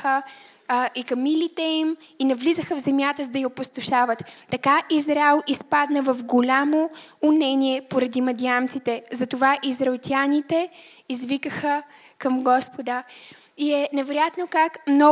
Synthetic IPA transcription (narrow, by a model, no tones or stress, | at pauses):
xə | ikɐmilʲit̪ɛiminɐvlizəxəvzɛmjat̪əzd̪ɐjiopost̪oʃavət̪ːɐkaʔizɾaɛlˠispad̪nəvɐfɡolʲamoːnɛniɛpoɾɐd̪imɐd̪iant̪sit̪ɛzɐt̪ovaʔizɾɛɛlˠt̪ʲjanit̪ɛ | izvikəxə | kɐmɡɔspod̪ə | iɛnɛvɛɾojat̪nokakmnɔ